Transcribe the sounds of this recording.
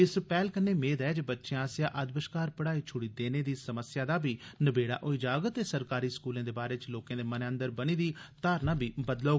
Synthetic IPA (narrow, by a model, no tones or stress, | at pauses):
ɪspɛːlkənːeːmeːd̪ɛːd͡ʒbətːʃẽaːsjãːʔəd̪bəʃkaːɾpəɽaːiːt͡ʃʰʊɽiːd̪eːneːd̪iːsəməsjaːd̪aːbʱiːnəbeːɽa̰ːʔoːiːd͡ʒaːɡət̪ːeːsəɾkaːɾiːskuːlẽːd̪eːbaːɾeːt͡ʃloːkãːd̪eːmənə̃nd̪əɾbəniːd̪iːt̪aːɾnãːbʱiːbəd̪loː